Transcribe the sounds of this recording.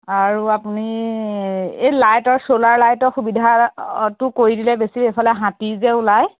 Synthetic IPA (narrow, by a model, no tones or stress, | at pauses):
aɹuapuni | ejlajtɔɹsolaɹlajtɔxubidʱatʊkoɹidilɛbesiejpʰalɛɦãtizɛulaj